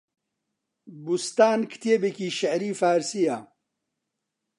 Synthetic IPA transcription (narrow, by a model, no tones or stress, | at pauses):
bust̪aːnkʰt̪eːbekiːʃɐʕɾiːfaːɾsijaː